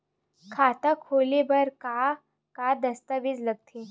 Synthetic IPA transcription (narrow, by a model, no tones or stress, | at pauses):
kʰat̪akʰoːlebəɾka | kad̪əst̪əʋid͡zləɡ̚t̪ʰe